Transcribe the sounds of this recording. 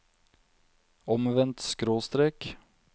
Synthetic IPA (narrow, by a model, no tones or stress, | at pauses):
ɔmʋɛnt̪skɾoːst̪ɾeːk